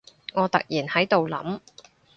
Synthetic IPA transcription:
ŋɔː˨˧t̪ɐ̰˨k̚jiː˨˩nhɐ˨˥jt̪o˨wlɐ̰˨˥m

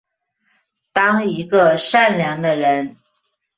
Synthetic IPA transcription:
t̪ɑ˥ŋi˧˥ɡə˧ʂa˥˩nljɑ˧˥ŋd̪ə˧ɻə˧˥n

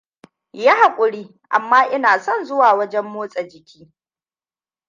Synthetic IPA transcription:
ja˦ha˨kʷʼʊ˨ɽiː˦ | ʔa˨mːaː˦ʔɪ˦naː˨sɔ˦˨nzʊ˦waː˨wɐ˦d͡ʒɛ˦mːoː˦sʼɐ˨d͡ʒɪ˨kʲiː˦

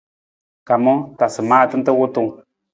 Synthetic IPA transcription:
ka˨mo˦t̪a˨sə˨ma˦t̪ɨ˦nt̪ə˦wu˦t̪u˦˨

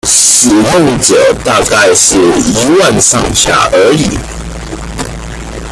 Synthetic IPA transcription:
ʂɻ̩˨˩xo˥˩ʊʈ͡ʂə˨˩t̪a˥˧ka˥˧ɪʂɻ̩˥˩i˧˥wa˥˧nʂɑ̰˥˧ŋɕja̰˥˩ʔə˧˥i˨˩˦

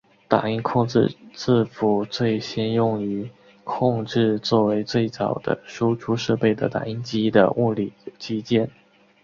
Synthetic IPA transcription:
t̪a̰˨˩i˥nkʰʊ˥˧ŋʈ͡ʂɻ̩̰˥˧t͡sɹ̩˥˩fu˨˩t͡swe˥˩ɪɕjɛ˥njʊ˥˩ŋy˧˥ | kʰʊ˥˧ŋʈ͡ʂɻ̩˥˧t͡swɔ˥˩we˧˥ɪt͡swe˥˩ɪt͡sɑ˨˩ʊd̪ə̰˦ʂu˥ʈ͡ʂʰu˥ʂɤ˥˧pe˥˩ɪd̪ə̰˩t̪a̰˨˩i˥nt͡ɕi˥d̪ə̰˧˩u˥˧li˥˩t͡ɕʰi˥t͡ɕjɛ˥n

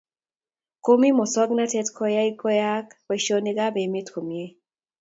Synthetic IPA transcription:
ko˦mi˦mɔ˨sɔ˦ɡna˦tɛ˦tkʰɔ˦ja˦i˦kɔ˦ja˦kwɛ˨ʃo˦nɪ˦ɡa˦be˨mɪ˦tkʰo˨mi˨e˦

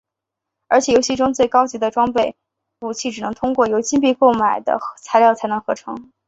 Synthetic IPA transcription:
ə˞˧˥t͡ɕʰjɛ˨˩jo˧˥ɕi˥˩ʈ͡ʂʊ˥ŋt͡swe˥˩ɪkɑ˥ʊt͡ɕi˧˥d̪ə˧ʈ͡ʂwɑ˥ŋpe˥˩ɪ | pu˨˩t͡ɕʰi˥˩ʈ͡ʂɻ̩˨˩nɤ˧˥ŋt̪ʰʊ˥ŋkwɔ˥˩jo˧˥ʊt͡ɕi˥np̬i˥˧ko˥˩ʊma˨˩ɪd̪ə̰˦t͡sʰa˧˥ɪljɑ˥˩ʊt͡sʰa˧˥ɪnɤ˧˥ŋxɤ˧˥ʈ͡ʂʰɤ̰˧˥ŋ

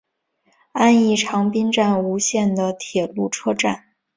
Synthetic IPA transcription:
a˥˧ni˥˩ʈ͡ʂʰɑ˧˥ŋpi˥nʈ͡ʂa˥˩nu˧˥ɕjɛ˥˩nd̪ə˩t̪ʰjɛ˨˩lu˥˩ʈ͡ʂʰɤ˥ʈ͡ʂa˥˩n

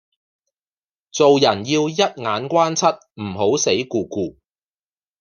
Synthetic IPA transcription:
t͡so˨wjɐ˨˩njiː˧wjɐ˥t̚ŋaː˨˥nkʷaː˥nt͡sʰɐ˥t̚m̩˨˩ɦo˨˥wse˨˥jkuː˨˧kuː˧

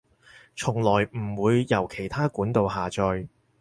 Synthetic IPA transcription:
t͡sʰʊ˨˩ŋlɔː˨˩jm̩˨˩wuː˨˧jːɐ˨˩wkʰe˨˩jt̪ʰaː˥kuː˨˥nt̪o˨˧wɦaː˨t͡sɔ˧j

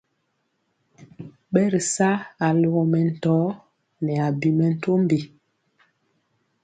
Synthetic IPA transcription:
ɓɛ˦ɾi˨sa˦a˨lu˨ɣɔ˨mɛ˨n̩˨tɔː˨˦ | nɛ˨a˨bi˨mɛ˨n̩˦˨to˦mbi˨

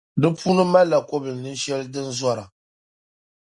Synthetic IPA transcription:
dɨ˦pʰuː˦nɨ˦ma˦lːa˨ko˦bɨ˨lnɨ˦n˦ʃɛ˦lɨ˦dɨ˦n˦zɔ˦ɾa˨

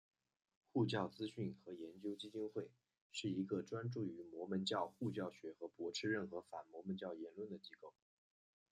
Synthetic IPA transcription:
xu˥˧t͡ɕjɑ˥˩ʊt͡sɹ̩˥ɕy˥˩nxɤ˧˥jɛ˧˥nt͡ɕjo˥ʊt͡ɕi˥t͡ɕi˥nxwe˥˩ɪ | ʂɻ̩˥˩i˧˥ɡə˧ʈ͡ʂwa˥nʈ͡ʂu˥˩y˧˥mwɔ˧˥mə˧˥nt͡ɕjɑ˥˧ʊxu˥˧t͡ɕjɑ˥˩ʊɕɥɛ˧˥xɤ˧˥pwɔ˧˥ʈ͡ʂʰɻ̩˥ɻə˥˩nxɤ˧˥fa˨˩nmwɔ˧˥mə˧˥nt͡ɕjɑ˥˩ʊjɛ˧˥nlwə˥˩nd̪ə˩t͡ɕi˥ko˥˩ʊ

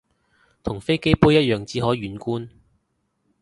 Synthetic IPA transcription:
t̪ʰʊ˨˩ŋfe˥jke˥jpuː˥jɐ˥t̚jœː˨˧ŋt͡siː˨˥ɦɔː˨˥ɥyː˨˥nkuː˥n

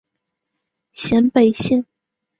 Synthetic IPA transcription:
ɕjɛ˧˥npe˨˩ɪɕi˥˩ŋ

